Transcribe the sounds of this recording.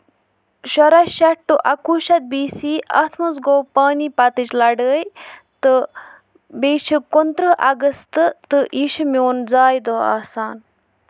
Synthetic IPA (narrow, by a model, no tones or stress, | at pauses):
ʃɔɾɐʃɐʈːuʔɐkuːʃɐt̪̚biːsiːɐ̰t̪ʰmuzɡoːwpaːnipɐt̪ɨt͡ʃlɐɖəːjt̪ɨ | beːʃʰikont̪ɾɨʔɐ̰ɡəst̪ɨt̪ɨʔiːʃimjoːnd͡zaːjd̪oːa̰ːsaːn